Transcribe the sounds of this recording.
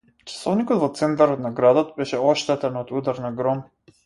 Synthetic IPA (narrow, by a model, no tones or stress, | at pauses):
t͡ʃḁsɔvnikɔt̪vɔt̪sɛnt̪aɾɔt̪naɡɾad̪ot̪bɛʃɛɔʃt̪ɛt̪ɛnɔt̪ud̪aɾnaɡɾɔm